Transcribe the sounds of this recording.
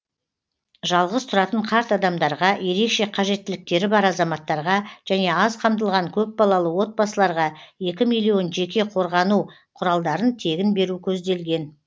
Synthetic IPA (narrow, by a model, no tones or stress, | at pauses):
ʒɑlˠʁəzt̪ʰʊɾɑt̪əɴqʰɑɾt̪ɑd̪ɑmd̪ɑɾʁɑje̞ɾe̞kʃe̞qʰɑʒe̞t̪ːɪlɪk̚t̪e̞ɾɪbɑɾɑzɑmɑt̪ːɑɾʁɑʒ̥æne̞ɑzqʰɑmd̪əlˠʁɑŋkʲʰɵp̚bɑlˠɑlˠəwo̞t̪̚bɑsəlˠɑɾʁɑje̞kʲɪmijlˠio̞nʒe̞kʲe̞qʰo̞ɾʁɑnu | qʰʊɾɑlˠd̪ɑɾənt̪ʰe̞ɡʲɪnbe̞ɾukʲʰɵzd̪e̞lɡʲe̞n